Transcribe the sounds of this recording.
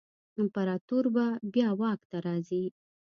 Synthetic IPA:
ɪmpaɾɑt̪uɾbabjɑwɑkt̪aɾɑzi

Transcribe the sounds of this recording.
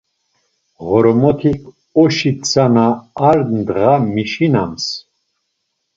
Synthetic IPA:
ʁɔɾɔmɔt̪ʰikʰ | ɔʃit͡sʰanaːɾnd̪ʁamiʃinams

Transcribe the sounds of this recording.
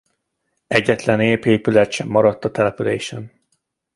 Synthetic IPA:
ɛɟːɛt̪lɛneːpeːpylɛt̪ʃɛmːɒɾɒt̪ːɒt̪ɛlɛpylḛːʃɛn

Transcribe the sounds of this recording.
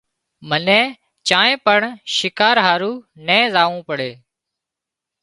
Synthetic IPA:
mənɛ̃ː | t͡ʃãːẽːpəɳʃɪkaːɾɦaːɾuːnɛ̃ːzaːʋũːpəɽeː

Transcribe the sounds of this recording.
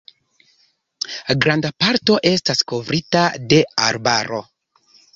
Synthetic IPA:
ɡɾandapaɾto̞ʔe̞stasko̞vɾitade̞aɾbaɾo̞̰

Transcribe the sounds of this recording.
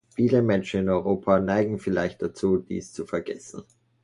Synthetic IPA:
fiːləmɛnʃn̩ɪnɔʏʁoːpʰanaɪɡŋ̩fɪlaɪçt̚d̥at͡suːd̥ḭːst͡sufɛɐɡɛsn̩

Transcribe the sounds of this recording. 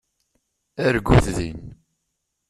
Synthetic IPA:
æɾɡʷːuθðin

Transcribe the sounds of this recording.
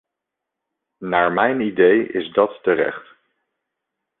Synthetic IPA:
naːɹmɛjnidejɪ̰zdɑtːərɛ̰χt

